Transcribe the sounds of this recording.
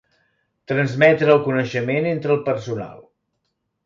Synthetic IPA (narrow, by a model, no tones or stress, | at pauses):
t̪ɾənzmɛt̪ɾəːlˠkunəʃəmenent̪ɾəːlˠpərsuna̰lˠ